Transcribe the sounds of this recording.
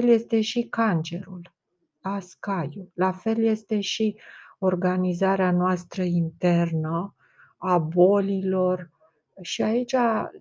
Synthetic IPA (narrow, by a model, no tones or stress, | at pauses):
elje̞st̪e̞ʃikant͡ʃe̞ɾul | askajulafe̞lje̞st̪e̞ʃio̞rɡanizaɾeanoast̪ɾəint̪e̞rnə | abo̞lilo̞r | ʃiait͡ʃʲa